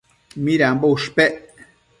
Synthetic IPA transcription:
miɾambouʃpeʔ

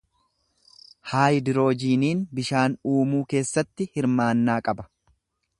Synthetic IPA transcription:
haːjd̪ɪɾo̞ːd͡ʒiːniːnbɪʃaːnuːmuːke̞ːsːɐt̪ːɪhɪɾmaːnːaːkʼɐbɐ̥

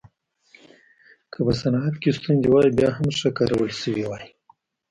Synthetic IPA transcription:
kʰəpəsanɑat̪kest̪und̪ewɑjibjɑhamʂəkaɾawəlʃəwiwɑji

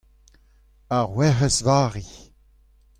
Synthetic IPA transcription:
aʁwɛʁəsvaːʁi

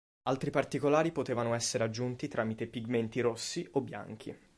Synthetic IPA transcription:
alt̪ɾipart̪ikolaːɾipot̪eːvanoɛsːeɾead͡ʒːunt̪it̪ɾaːmit̪epiɡment̪iɾosːiʔobːja̰ŋk̟ʰḭ

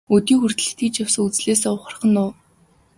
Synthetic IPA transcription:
ɵt̪iːŋxur̥t̪ɘ̆ɘt̪ɡĭt͡ɕjaw̥sə̆ŋut͡sɮeːs̬eːʊχə̆r̆χə̆nːʊː

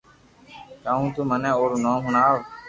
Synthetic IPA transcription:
kaːũːt̪umənɛ̃ːoːɾnõːmɦʊɳaːʋ

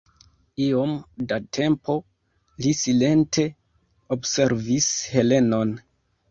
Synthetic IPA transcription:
io̞mdatʰe̞mpʰo̞ | lisile̞ntʰe̞ | obse̞ɾvishe̞le̞no̞n

